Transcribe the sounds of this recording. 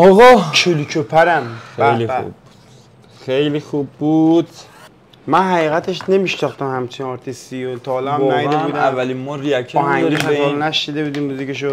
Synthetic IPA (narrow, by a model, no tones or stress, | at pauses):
ɒɣɒt͡ʃʰuluːcʰopʰæɾæmxeæliṵb | xejlixubːud̪̥ | mænɦæɣiːɣæt̪ʰeʃne̞miʃnɒxt̪æmhæmt͡ʃʰinɒɾt̪ʰist̪ijot̪ʰɒhlɒmæd̪ebuːd̪æævːælinmɔɾiækʰɒːɦæŋɡimeɒllnæʃnid̪ebuːd̪imuːziceʃ̬o